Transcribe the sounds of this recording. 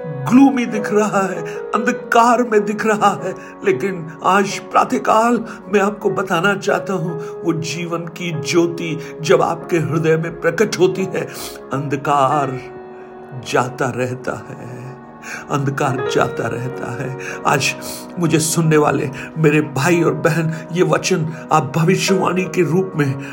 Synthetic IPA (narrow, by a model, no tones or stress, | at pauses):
ɡluːmid̪ɪkʰɾɐɦaɦɛɐ̃nd̪kaːɾmẽd̪ɪkʰɾɐɦaɦɛː | leːkɪn | aːd͡ʒpɾa̰ːt̪ʰekaːl | mɛ̃aːp̚kobɐt̪aːnat͡ʃa̰ːɦt̪aɦũʋod͡ʒiːʋənkid͡ʒoːt̪id͡ʒɐba̰ːp̚keɦɪɾd̪əmẽpɾɐkəʈɦoːt̪iɦɛ | ɐ̃nd̪kaːɾ | d͡ʒaːt̪aɾɛɦt̪a̰ɦɛː | ɐ̰̃nd̪kaːɾd͡ʒa̰ːt̪a̰ɾɛ̰ɦt̪a̰ɦɛːa̰ːd͡ʒ | mʊd͡ʒʱesʊnːeʋa̰ːlḛmeːɾebʱaːiɔːɾbɛɦɛnjeʋɐt͡ʃən | a̰ːp̚bʱɐʋɪʃjəʋa̰ːñikeɾuːpmẽ